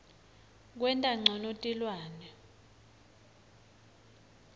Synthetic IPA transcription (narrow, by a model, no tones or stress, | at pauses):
k̬wɛntʼaŋ͡ǀʱɔnotʼilwaːnɛ